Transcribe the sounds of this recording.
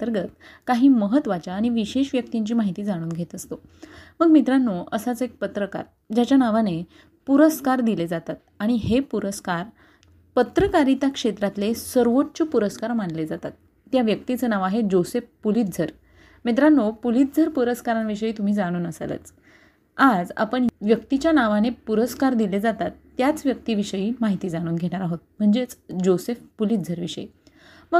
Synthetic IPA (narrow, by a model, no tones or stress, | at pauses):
əɾɡət̪kaɦiːməɦət̪ʋat͡ɕjaːɽ̃iʋiɕeɕʋjək̚t̪iɲt͡ɕiːmaɦit̪iːd͡zaɽ̃uːnɡʱet̪əst̪o | məɡmit̪ɾanːoəsat͡səek̚pət̪ɾəka̰ɾ | d͡ʑat͡ɕjanaʋane | puɾəskaɾd̪iled͡zat̪at̪̚aɽ̃iɦepuɾəskaɾ | pət̪ɾəkaɾit̪jakʂet̪ɾat̪lesəɾʋoʈt͡ɕopuɾəskaɾmaɳled͡zat̪at̪ː | jaʋjək̚t̪it͡sənaʋaɦed͡ʑosefpuliːt̪̚d͡zʱəɾ | met̪̬ɾanopulit̪̚d͡zʱəɾpuɾəskaɾanʋiɕəiːt̪um̤iːd͡zaɽ̃uːnəslə̰t͡s | ad͡za̰pəɳʋjəkt̪it͡ɕjanaʋanepuɾəskaɾd̪iled͡zat̪at̪ːjat͡sʋjək̚t̪iːʋiʂəjiːmaɦit̪iːd͡zaɽ̃uːnɡʱeɽ̃aɾaɦot̪̚m̤əɳd͡zet͡sd͡ʑosefpulit̪̚d͡zʱəɾʋiɕə̰ḭ | məɡ